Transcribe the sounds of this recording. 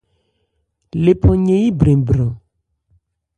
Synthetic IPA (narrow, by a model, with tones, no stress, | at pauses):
le˨pɔ˨ɲẽ˨ji˦bɾẽ˨bɾɔ˨